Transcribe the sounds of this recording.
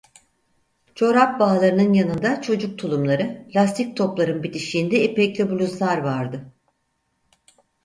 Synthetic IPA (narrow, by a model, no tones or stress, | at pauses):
t͡ʃʰo̞ɾap̚baːlˠaɾɯnɯnjanɯnd̪at͡ʃʰo̞d͡ʒuk̚t̪ʰulˠumlˠaɾɯplʲast̪ʰik̚t̪ʰo̞plˠaɾɯnbit̪ʰiʃiːnd̪ɛepɛclʲɛbulʲuzlˠaɾvaɾd̪ɯ